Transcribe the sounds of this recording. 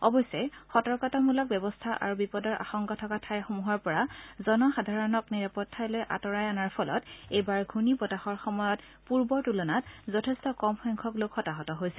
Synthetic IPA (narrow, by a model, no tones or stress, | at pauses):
ɔbɔjsɛxɔtɔɹkɔtamulɔk̚bjɔbɔstʰaʔa̰ɹubipɔdɔɹʔa̰xɔŋkɔtʰɔkatʰajxomuɦɔɹpɔɹazɔnɔxadʱaɹɔnɔkniɹapɔtʰːajlojʔa̰tɔɹajanaɹpʰɔlɔtejbaɹɡʱunipɔtaxɔɹxɔmɔjɔt | puɹbɔɹtulɔnatzɔtʰɛstɔkɔmxɔjŋkʰɔklokʰxɔtaɦɔtɔɦojsɛ